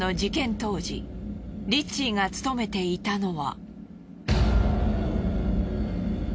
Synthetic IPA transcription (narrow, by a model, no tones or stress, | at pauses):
o̞d͡ʑikẽ̞nt̪o̞ːʑḭɾʲit͡ɕiɡat͡sɨ̥t̪o̞me̞t̪e̞it̪ano̞βa̰